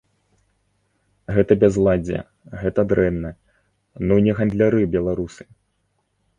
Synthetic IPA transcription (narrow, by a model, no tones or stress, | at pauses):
ɣɛt̪ɐbʲazlˠad͡zʲɛ̰ | ɣɛt̪ɐd̪ɾɛnːɐ | nunʲɛɣɐnd̪lʲaɾɨbʲɛlˠaɾusɨ̥